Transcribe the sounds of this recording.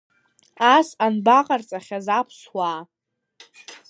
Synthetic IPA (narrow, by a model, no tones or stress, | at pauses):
asanbaqʼart͡sʼaχʲazapʰswaː